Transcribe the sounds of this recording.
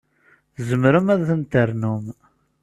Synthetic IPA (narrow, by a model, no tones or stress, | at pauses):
zəmɾəmæðθənt̪əɾnum